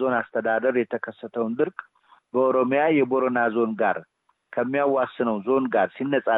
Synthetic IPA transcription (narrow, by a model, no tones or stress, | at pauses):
zo̞nast̪ʰəd̪ad̪əɾjɛt̪ʰəkʰəsːət̪ʰəwnd̪ɨɾkʼ | bəoɾo̞mjajɛbo̞ɾonazo̞nɡaɾ | kʰəmːijawːasɨnəwzo̞nɡaɾsinːəsʼa